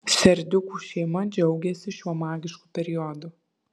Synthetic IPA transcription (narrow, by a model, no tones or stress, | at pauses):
sʲɛɾʲd̪ʲʊkuːʃʲɛɪmɐd͡ʒʲɛʊɡʲɛsʲɪʃʲuɔmɑːɡʲɪʃkuːpʲɛɾʲɪjɔd̪uː